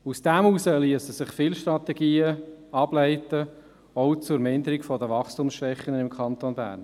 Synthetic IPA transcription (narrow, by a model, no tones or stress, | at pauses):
usd̥ɛmusəliəsəsɪχfɪlʃtɾɑt̪ɛɡiːəɑblæɪtə | ɔʊt͡sʊɾmɪnd̪əɾiɡfɔdəʋɑχstumsʃʋɛχːənənɪmkʰɑnt̪onbæ̰ːrn